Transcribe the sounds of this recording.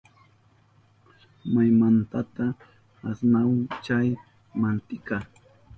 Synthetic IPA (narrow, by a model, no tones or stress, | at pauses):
majmant̪at̪aː | snawaŋt͡ʃaj | mant̪ɪkaː